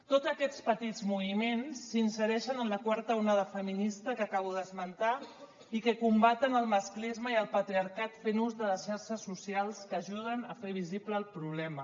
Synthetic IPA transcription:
t̪od͡zəkɛt͡spət̪id͡zmuimensːinsəɾɛʃənənləkwaɾt̪əunaðəfəminist̪əkəkaβuðəzmənt̪a | ikəkumbat̪ənəlˠməsklizməiəlˠpət̪ɾiaɾkat̪fenuzðələsʃaɾʃəsːusialˠskəːʒuð̞ənəfeβ̞izipləːlˠpɾuβ̞lɛmə

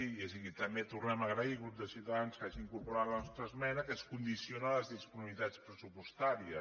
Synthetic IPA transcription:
ies̬əɣit̪əmbet̪urnɛməɣɾəiɣɾubd̪əsiwt̪aðanskaʒiːŋkuɾpuɾat̪lənɔst̪ɾəzmɛnəkəskund̪isionələzðispununit̪at͡spɾəsupust̪aɾiə

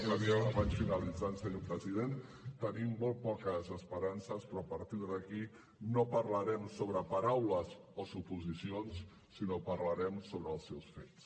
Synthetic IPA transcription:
ləniaaβansfinəlid͡zansəɲopɾəziðent̪ənimːolˠt̪̚pɔkəzəspəɾansəspɾɔəpəɾt̪iɾðəki | nopəɾləɾɛmsoβɾəpəɾawləzosupuzisions | sinopəɾləɾɛmsoβɾəːlˠsɛwsfes

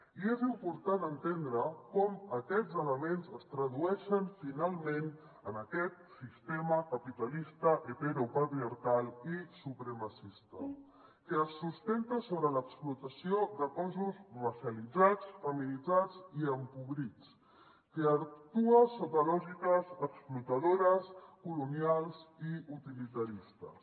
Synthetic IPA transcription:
iezimpuɾt̪anənt̪end̪ɾəkɔməkɛd͡zələmenzəst̪ɾəðuɛʃənfinalˠmen | ənəkɛt̪̚sist̪eməkəpit̪əlist̪əʔet̪eɾopət̪ɾiaɾkalˠisupɾəməsist̪ə | kəəsːust̪ɛnt̪əsoβɾələksplut̪əsiod̪əkɔzuzrəsjəlid͡zat͡sfəminid͡zad͡ziəmpuβɾit͡s | kəəkt̪uəsoβɾəlɔʒikəzəksplut̪əðoɾəskulunjalˠziut̪ilit̪əɾist̪ə̰s

